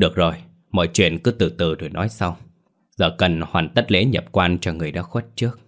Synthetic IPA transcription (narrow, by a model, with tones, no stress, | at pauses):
ɗɨ˨˩ək̚zo˨˩j | mɔ̰˧˨jt͡ɕwḭ˧˨ənkɨ˨˦t̪ɨ˧˩t̪ɨ˧˩zo˨˩jnɔ˨˦jsa˧w | zəː˨˩kə˨˩nhwaː˨˩nt̪ə˦˥t̚lḛ˧˥ɲə˨˩p̚kwaː˧nt͡ɕɔ˧ŋɨ˨˩əjɗa̰ː˧˥xwe˦˥t̚t͡ɕɨ˦˥ək̚